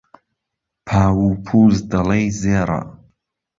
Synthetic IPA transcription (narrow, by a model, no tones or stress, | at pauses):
pʰaːwupʰuzd̪ɐlejzeːɾa̰